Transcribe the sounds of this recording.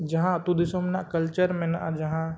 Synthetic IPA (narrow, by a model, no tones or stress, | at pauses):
d͡ʒɐɦãt̪ud̪isomnakɐlt͡ʃəɾmẽnʔa̰d͡ʒɐɦã